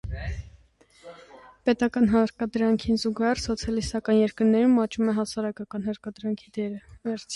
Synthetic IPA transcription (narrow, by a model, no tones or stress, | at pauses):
pɛt̪ɑkɑnɦɑɾkɑd̪ɾɑŋkʰinzuɡɑhɛɾsɔt͡sʰjɑlist̪ɑkɑnjɛɾkəɾnɛɾumɑt͡ʃumɛɦɑsɑɾɑkɑkɑnɦəɾkɑd̪ɾɑŋkʰid̪ɛɾəvɛɾt͡sʰ